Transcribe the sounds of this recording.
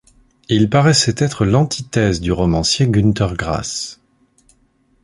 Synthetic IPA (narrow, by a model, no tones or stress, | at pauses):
ilpaʁɛsɛt̪ɛt̪χəlɑ̃t̪ʰit̪ɛzd̪yʁɔmɑ̃sjeɡynt̪ɛʁɡʁa̰s